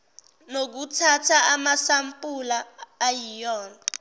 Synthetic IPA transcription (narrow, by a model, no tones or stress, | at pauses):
nok̬utʰatʰaamasampʼulaːjijɔːna